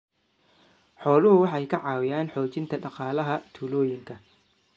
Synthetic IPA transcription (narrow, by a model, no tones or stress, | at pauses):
ħɔːlʊɦʊwɑħɑjkʰɐʕɑːwɪjaːnħɔːt͡ʃɪnt̪ʰɐɖɑqɑːlɐɦɐt̪ʰuːlɔːjɪŋkʰɐ